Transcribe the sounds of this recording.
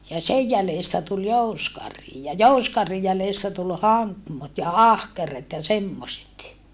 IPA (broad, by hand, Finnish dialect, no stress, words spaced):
jɑ sej jæleˑstæ tul jouskɑrhi jɑ jouskɑrhij jæleˑstæ tul hɑŋkmot jɑ ɑhkeret jɑ semːoset